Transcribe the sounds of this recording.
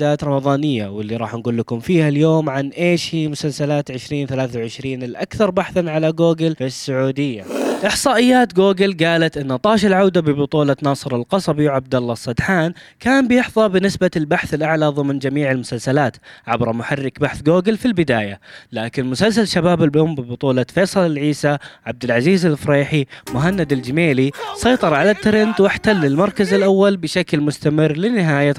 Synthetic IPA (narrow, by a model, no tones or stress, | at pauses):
aːt̪ɾˤɑmɑðˤɑːnɪjːawɪlːiɾˤɑːħnɡuːlːakʊmfiːhaljoːmʕanʔeːʃhiːmʊsalsalaːt̪ʕɪʃɾiːnθalaːθawʕɪʃɾiːnɪlʔa̰kθɑɾˤbaħθanʕalaɡoːɡɪlfɪsːʊʕuːd̪ɪjːa̰ʔɪħsˤɑːʔɪjːaːt̪ɡoːɡɪlɡaːlat̪ʔɪnːɑt̪ˤɑːʃalʕawd̪abɪbʊt̪ˤuːlɑnɑːsˤɨɾˤɑlqɑsˤɑbiwʕab̚d̪alˤːɑsˤːɑd̪ħaːnkaːnbɪjɪħðˤɑbɪnɪsbalbaħθɪlʔaʕlaðˤɨmnd͡ʒamiːʕɪlmʊsalsalaːt̪ʕabɾmʊħarːɪkbaħθɡoːɡɪlfilbɪd̪aːjalaːkɪnmʊsalsalʃabaːbɪlbʔʊmbɪbʊt̪ˤuːlɑfeːsˤɑlɪlʕiːsaʕab̚d̪ɪlʕaziːzɪlfɾeːħimʊɦanːad̪ɪld͡ʒɪmeːlisˤɑjt̪ˤɑɾˤʕalat̪ːɪɾɪnt̪wɪħt̪alːɪlmɑɾˤkazɪlʔawːalbɪʃaklmʊst̪amɪrːlɪnɪɦaːja